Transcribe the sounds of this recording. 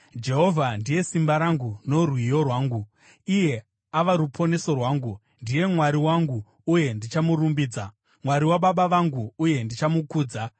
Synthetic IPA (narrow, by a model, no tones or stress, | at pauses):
d͡ʒe̞ɦo̞vʱandije̞simbaɾaŋɡunorwijo̞rwaːŋɡu | ije̞ | aʋaɾupʰo̞ne̞so̞rwaːŋɡu | ndije̞mwaɾiwaŋɡuː | je̞ndit͡ʃamurumbiːd͡za | mwaɾiwaɓaɓaʋaŋɡuːje̞ndit͡ʃamukuːd͡za